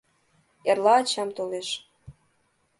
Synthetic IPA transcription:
erlɑːt͡ɕɑmt̪oleʃ

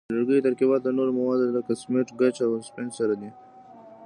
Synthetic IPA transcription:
laɾɡəjt̪aɾkibɑt̪̚d̪anoɾmawɑd̪lakasmeʈɡat͡ʃawspensaɾad̪i

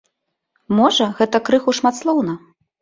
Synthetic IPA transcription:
mɔʐɐɣɛt̪ɐkɾɨxuʂmat̪slˠɔwnɐ

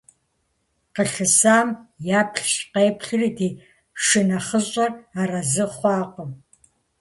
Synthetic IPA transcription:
qəɬɨsaːmjaːpʰɬɕqeːpʰɬɨrideː | ʂɪnɐχəɕʼɐraːrɐzɨχʷɑːqʷɔm

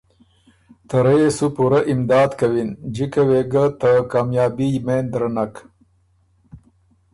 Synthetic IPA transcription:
t̪ɐɾesupuɾaʔɪmd̪ɑːd̪kawind͡ʒikaweɡat̪akɑːmjɑːbijmend̪ɾanak

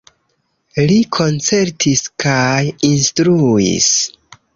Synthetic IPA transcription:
likʰo̞nt͡se̞ɾtʰiskajinstɾuḭs

